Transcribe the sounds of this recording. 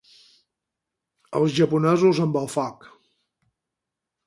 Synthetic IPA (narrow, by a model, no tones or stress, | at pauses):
ə̰lˠzʒəpunɛzuzəmbəlˠfak